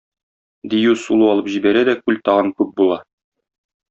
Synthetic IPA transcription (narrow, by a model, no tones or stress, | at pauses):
d̪ijʉsulˠuɒlˠɤpʑibæɾæd̪ækʉlt̪ɒʁɤŋkʉp̚bulˠɑ